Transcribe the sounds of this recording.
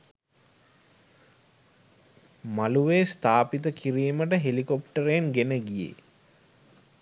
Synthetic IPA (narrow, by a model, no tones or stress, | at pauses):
maluʋeːst̪aːpit̪əkiɾiːməʈəɦelikopʈəɾenɡenəɡijḛ